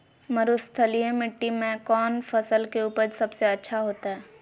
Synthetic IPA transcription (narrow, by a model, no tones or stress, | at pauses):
mɐɾʊst̪ʰəlijẽmɪʈːimẽkɔːnfʰɐsəlkeuːpəɾsɐbseɐtːʃʰaɦoːt̪aɦɛː